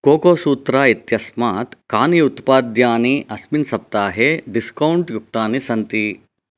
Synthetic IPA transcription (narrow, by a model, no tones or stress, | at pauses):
koːkoːsuːt̪ɾaːit̪jɐsmaːt̪kaːniut̪paːd̪jaːniʔɐsminsɐp̚t̪aːɦeɖiskɐwuɳʈjuk̚t̪aːnisɐnt̪i